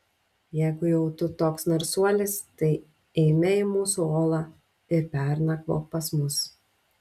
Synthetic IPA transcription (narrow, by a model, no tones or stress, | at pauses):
jɛɪɡʊjɛʊt̪ʊt̪oːksnɐɾsuɔlʲɪst̪ɐɪ | ɛɪmʲɛɪmuːsuoːlˠɑː | ɪɾpʲɛˑɾnɐkʋo̰ːpɐsmʊs